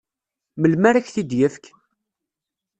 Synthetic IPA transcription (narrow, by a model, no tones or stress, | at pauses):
məlmæɾæçθid̪jəfk